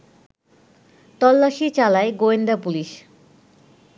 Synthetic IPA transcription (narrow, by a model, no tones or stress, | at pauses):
t̪ɔlːaʃit͡ɕalaeɡoend̪apuliʃ